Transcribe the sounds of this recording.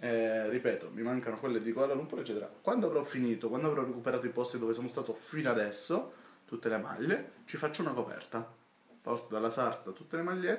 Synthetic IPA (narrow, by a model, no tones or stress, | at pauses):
ɛripɛːt̪omimaŋkanokwelːed̪iɡlːalumpuɾet͡ʃːɛːt̪eɾa̰kwand̪oavɾɔfːiniːt̪okwand̪oavɾɔrekupeɾaːt̪oipɔst̪id̪oːvesoːnost̪aːt̪ofinoad̪ɛsːot̪ut̪ːelema̰ʎːet͡ʃifat͡ʃːounakopɛ̰rt̪a | pɔrt̪od̪alːasart̪at̪ut̪ːelemaʎːe